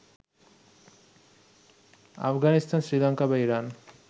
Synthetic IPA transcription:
a̰fʰɡanist̪ʰansɾilaŋkabaiɾan

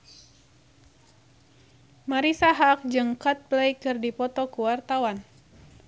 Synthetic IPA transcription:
maɾisaɦak̚d͡ʒɨŋkat̪̚blajkɨrdipɔt̪ɔkuwart̪awan

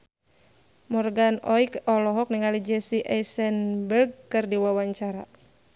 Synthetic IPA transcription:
mɔrɡanɔikɔlɔɦɔk̚niŋalid͡ʒɛsiʔaisɛnbərɡ̚kɨrdiwawaɲt͡ʃaɾa̰

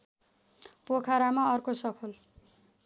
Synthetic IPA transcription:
pokʰaɾamaʌrkosʌpʰʌl

